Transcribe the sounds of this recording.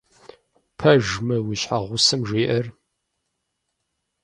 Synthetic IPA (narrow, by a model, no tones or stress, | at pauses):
pʰɐʒmɐwiɕħaʁʷʊsɨmʒeːʔɐr